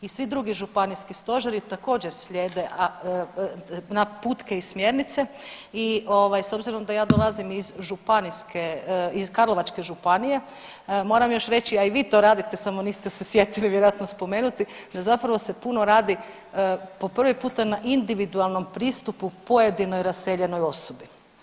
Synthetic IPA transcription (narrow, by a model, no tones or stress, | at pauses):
isʋid̪ɾuɡiʒupaniskist̪o̞ʒeɾit̪ako̞ːd͡ʑeɾsʎʲeːd̪e̞ʔa | naput̪ke̞ismje̞ɾnit̪se̞ | io̞ʋajso̞bziɾo̞md̪ajaːd̪o̞lˠazimizʒupaniskeizkaɾlˠo̞ʋat͡ʃke̞ʒupanije̞ | mo̞ːɾamjo̞ʃɾe̞t͡ɕiaiʋiːt̪o̞ɾaːd̪it̪esamo̞niːst̪esesje̞t̪iliʋjeɾoat̪nospo̞me̞ːnut̪id̪azapɾaʋo̞sepunoɾaːd̪i | po̞pr̩ʋipuːt̪anaʔind̪iʋid̪ualˠno̞mpɾiːst̪upupo̞je̞d̪inojɾase̞ʎe̞no̞jo̞sobi